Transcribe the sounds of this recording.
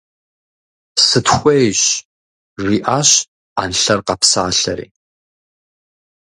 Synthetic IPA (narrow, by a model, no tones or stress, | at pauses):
sɨtxʷejɕ | riːʔaːɕ | aːnɬɐrqɐpsa̰ːɬɐɾḭː